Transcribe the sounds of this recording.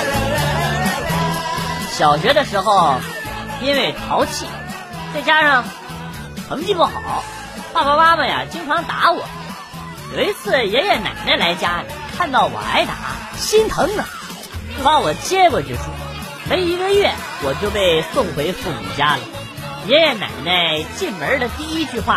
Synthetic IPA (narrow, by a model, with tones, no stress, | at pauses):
ɕjɑ˨˩ʊɕɥɛ˧˥d̪ə˨˧ʂɻ̩˧˥xo˧ʊ | i˥nwe˥˩ɪt̪ʰɑ˧˥ʊt͡ɕʰi˥˩ | t͡sa˥˩ɪt͡ɕja˥ʂɑ˥˩ŋ | t̪ʰɤ˧˥ŋt͡ɕi˥˧pu˥˩xɑ˨˩˦ʊ | pa˥˩ba˨ma˥mə˨ja̰˩t͡ɕi˥ŋʈ͡ʂʰɑ˧˥ŋt̪a˧˥wɔ˨˩˦ | jo˨˩ʊi˧˥t͡sʰɹ̩˥˩jɛ˧˥njɛ˧˩na̰˨˩ɪna˥˩ɪla˧˥ɪt͡ɕja˥˨˩kʰa˥˧nt̪ɑ˥˩ʊwɔ̰˨˩la̰˧˥ɪt̪a̰˧˥˦ | ɕi˥nt̪ʰɤ˧˥ŋnə˨˩˥ | pa˧˥wɔ˨˩t͡ɕjɛ˥kwɔ˨˧t͡ɕjo˥˧ʊʂɻ̩˥˩ | me˧˥ɪo˧˩˧i˧˥ɡə˧ɥɛ˥˩ | wɔ˨˩t͡ɕjo˥˧ʊpe˥˧ɪsʊ˥˩ŋxwe˧˥ɪfu˥˩ŋ̰˨˩t͡ɕja˥lə̰˨ | jɛ˧˥njɛ˧˩na̰˨˩ɪna˥˩˧ɪt͡ɕi˥˩nmə˧˥d̪ə˨t̪i˥˧i˥t͡ɕy˥˧xwa˥˩